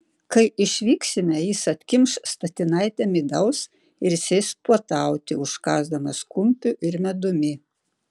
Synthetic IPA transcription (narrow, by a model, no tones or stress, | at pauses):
kɐɪʔɪʃʲʋʲiːksʲɪmʲɛjisɐt̪ʲkʲɪmʃst̪ɐt̪ʲɪnɐɪt̪ʲɛmʲɪd̪ɐʊs | ɪɾsʲɛɪspuɔt̪ɐˑʊt̪ʲɪʊʃkɑːzd̪ɐmɐskʊmʲpʲʊʔɪɾmʲɛd̪ʊmʲɪ